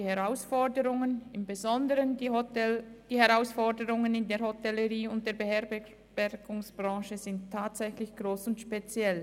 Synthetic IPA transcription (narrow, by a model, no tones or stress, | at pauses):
iːhɛʁaʊsfɔdəʁʊŋənɪmbezɔndəʁən | d̥iːhɛʁaʊsfɔdəʁʊŋənɪndeːɐhotɛləʁiːʊnt̚d̥eːɐbehɛɐb | b̥ɛɾɡʊŋsb̥ʁɑ̃ːʃəzɪnttʰːaːtz̥ɛçlɪçɡ̥ʁoːsʊntʃpet͡sjɛl